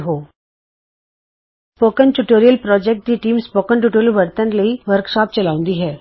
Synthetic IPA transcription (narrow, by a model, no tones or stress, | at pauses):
ɦoː | spoːkənʈuʈoːɾijəlpɾɔːd͡ʒek̚ʈ̚ɡiʈiːmspoːkənʈ̬uːʈoːɾjəlʋɐɾt̪ənləiʋəɾkʃɔːp̚t͡ʃɐlaːʊ̃nd̪iɦɛː